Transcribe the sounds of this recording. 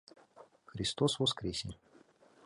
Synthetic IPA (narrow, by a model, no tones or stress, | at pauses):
xɾʲɪst̪osvɔskɾʲesʲe